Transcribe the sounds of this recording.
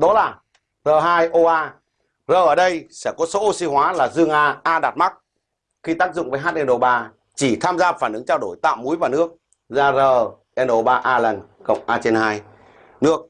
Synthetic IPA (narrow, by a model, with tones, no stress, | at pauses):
ɗɔ˨˦laː˨˩ | zəː˨˩ɦaː˧jʔo˧ʔaː˧ | zəː˨˩ʔəː˧˩ɗə˧jsɛ˧˩kɔ˨˦so˨˦ʔo˧si˧hwaː˨˦laː˨˩zɨ˧əŋʔaː˧ʔaː˧ɗaː˨˩t̚ma˦˥k̚ | xi˧t̪aː˦˥k̚zʊ̰˧˨ŋ͡mvəː˨˦jɦa˦˥t̚ʔɛ˧nʔo˧˩ɓaː˧ | t͡ɕi˧˩t̪ʰaː˧mzaː˧faː˧˩nʔɨ˨˦ŋt͡ɕa˧wɗo˧˩jt̪a̰ː˧˨wmu˨˦jvaː˨˩nɨ˦˥ək̚ | zaː˧zəː˨˩ | ʔɛ˧nʔo˧˩ɓaː˧ʔaː˧lə˨˩n | kə̰˧˨wŋ͡mʔaː˧t͡ɕe˧nhaː˧j | nɨ˦˥ək̚